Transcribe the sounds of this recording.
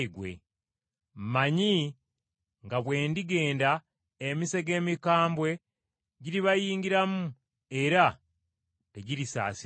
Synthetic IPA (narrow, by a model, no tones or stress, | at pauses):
ɡwe̞̰ | maɲi | ŋɡaβwe̞ːndiɡe̞ːnda | emise̞ɡe̞ːmikaːmbwe̞ | ɟiɾiβajiːŋɟiɾamu | e̞ɾa | teɟiɾisa̰ːsi